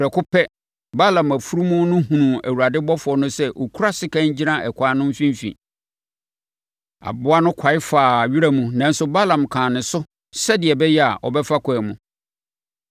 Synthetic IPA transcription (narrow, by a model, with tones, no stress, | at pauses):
ɾɛ˨kʰʊ˦pʰɛ˦ | ba˦lã˨mæ˨fu˦ɾu˦mũ˦nʊ̃˦ɦũ˨nũ˨æ̰˨wu˨ɾa˨dɪ˦bɔ˦fʊ˨ɔ˦nʊ̃˦sɛ˦ʔɔ˨kʰu˦ɾa˦sɪ˦kã˦˨ɲ˦d͡ʑi˦nã˦ʔɛ̰˨kʷʰaː˨˦nʊ̃˦m̩˦fĩ˦m˦fḭ̃˨ | a̰˨bʊ˦a˦nʊ̃˦kʰa˨ɪ˦faː˨ɥi˦ɾæ˦mũ˨nã˨n̩˦sʊ˦ba˦lã˨mkʰãː˨nɪ̃˨sʊ˦ | sɛ˦dɪ˨ɛ˨bɛ˦jɛ˦a˨ʔɔ̰˨bɛ˦fa˦kʰʷɔ˨ɛ˨mũ˨